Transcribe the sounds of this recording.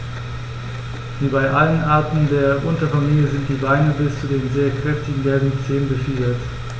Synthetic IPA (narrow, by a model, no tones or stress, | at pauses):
v̥iːbaɪʔalənʔaɐtn̩deːɐʔʊntɐfamiːljəzɪnt̚d̥iːbaɪnəbɪst͡sudeːnzeːɐkʁ̥ɛftɪɡŋ̩ɡɛlbn̩t͡seːənbəfiːdɐt